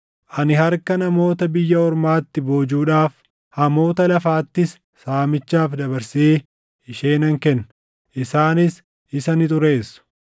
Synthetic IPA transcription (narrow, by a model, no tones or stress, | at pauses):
ʔɐnɪhɐɾkɐnɐmo̞ːt̪ɐbɪjːɐɔɾmaːt̪ːɪbo̞ːd͡ʒuːᶑaːf | hɐmo̞ːt̪ɐlɐfaːt̪ːɪsː | aːmɪt͡ʃːaːfd̪ɐbɐɾseː | ɪʃeːnɐŋkɛnːʊ̥ | ʔɪsaːnɪs | ɪsɐnɪt̪̬ʼʊɾeːsːʊ̥